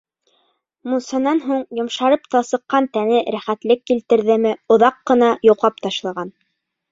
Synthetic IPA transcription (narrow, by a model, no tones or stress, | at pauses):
musɑnɑnɦuɴjŏmʃɑɾɤpt̪ɑsɤ̆qːɑnt̪ænɘɾæχæt̪lɘkːilt̪ɘ̆ɾðɘmɘŏðɑqːɤ̆nɑjŏqɑpt̪ɑʃlˠɑʁɑn